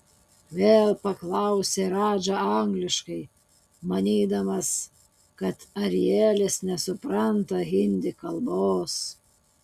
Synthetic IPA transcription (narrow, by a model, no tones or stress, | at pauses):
ʋʲeːlˠpɐklˠɑˑʊsʲeːɾɑːd͡ʒɐɐŋɡlʲɪʃkɐɪ | mɐnʲiːd̪ɐmɐs | kɐt̪ɐɾʲɪjeːlʲɪsnʲɛsʊpɾɐnt̪ɐɣʲɪnʲd̪ʲɪkɐlˠboːs